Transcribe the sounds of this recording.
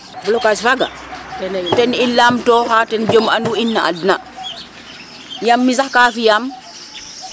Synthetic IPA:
blɔkasfaɡa̰ | tɛnilːamtɔhaːtɛnd͡ʒomanduinːaa̰dna | jamːisakaːfijam

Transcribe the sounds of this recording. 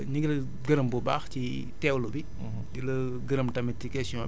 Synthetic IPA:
ɲiɡlɐ | ɡəɾɐmbɔba̰ːxci | tɛːwlubi | dilɐ | ɡəɾɐmtɐmɛtːikɛsiɔ̃

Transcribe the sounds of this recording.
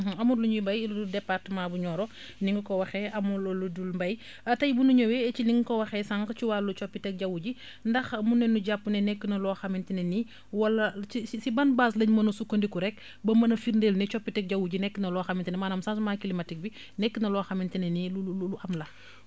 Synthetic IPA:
ɐmuɾluɲibɐjudɛpːatmabuɲɔːɾɔ | niŋɡukɔwɐxɛɐmulɔludulmbɐj | ɐtɐjbunuɲowet͡ʃiniŋɡkɔwɐxɛsaŋɡt͡ʃiwaːlːut͡ʃɔpːitɛk̚ɟɐwuɟi | ndɐxmunːɛnːuɟapːunɛnɛkːinɐlɔːxɐmintineni | wɐlːɐsisisibɐnbaːslɐɲmɐnɐsukːondikuɾɛk̚ | bɐmɐnɐfiɾndelnɛt͡ʃɔpːitɛk̚ɟɐwuɟinɛkːnɐlɔxɐmintinɛmaːnɐmsansmakilimɐtik̚bi | nɛkːinɐlɔxɐmintinɛniluululuʔɐmlɐ

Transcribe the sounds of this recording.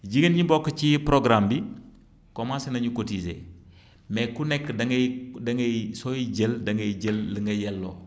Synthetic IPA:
d͡ʒiɡənɲibɔkːət͡ʃipɾoɡɾambi | kɔmasɛnɐɲukotizḛ | mɛkunɛkːdɐŋɐdɐŋɡɐsojiɟəldɐŋɡɐd͡ʒəlːəŋɡɐjɛlːo̰ː

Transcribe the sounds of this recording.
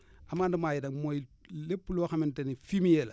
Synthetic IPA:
amandumaːjidaŋmojlepːloxamentenifimijel

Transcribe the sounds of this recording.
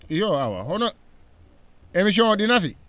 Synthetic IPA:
joawa̰ɦɔnɔ | emis̬iɔ̃ŋɔɗinafi

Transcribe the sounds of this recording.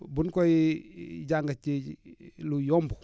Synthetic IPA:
bunkɔ | ɟaŋɡat͡ʃi | lujɔmbu

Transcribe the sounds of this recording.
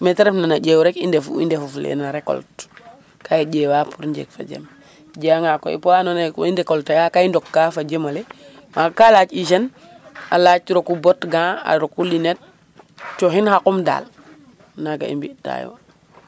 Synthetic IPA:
meteɾefnanaɟewɾekindefṵḭndefuflḛnaɾeko̰lt | kʰaiɟeːwapuɾɲɟḛkfa̰d͡ʒḛm | d͡ʒaŋako̰ḭpanonindekoltaɡakaindɔkːafad͡ʒemale | makalaːt͡ʃiʃen | a̰laːt͡ʃɾokubɔtɡãːa̰ɾokulinet̚ | t͡ʃoɦinhakumda̰ːl | naɡa̰ḭmbiʔta̰jo̰

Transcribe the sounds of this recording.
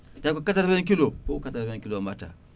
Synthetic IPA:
dakokataɾbikilokokataɾbaiŋkilomata̰

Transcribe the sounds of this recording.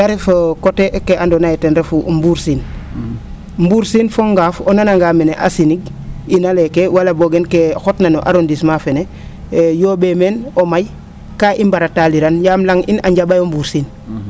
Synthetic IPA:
ɡaɾefokoteʔkeʔandonajetenɾefumbuɾsin | mbuːɾsinfoŋɡaːfonanaŋɡaːmeneʔa̰siniɡ̚ | inalekewalaboɡenkexotnanoʔa̰ɾondismafene | joːbemenomaj | kaːʔimbaɾataliɾanjamlaŋʔḭna̰ɲɟabajombuɾsin

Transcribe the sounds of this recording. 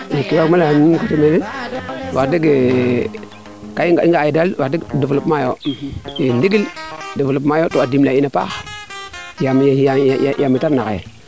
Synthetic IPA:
jikiwamalannkutemeliwatiɡe | kaiŋɡaiŋɡajidalwatidufulupmajoindiɡildiflupmajotoadimlainapa̰ | jamijjjamːitaɾnakḛ

